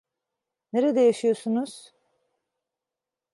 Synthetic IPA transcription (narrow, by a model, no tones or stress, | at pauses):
neɾed̪ɛjaʃɯjosunuz̥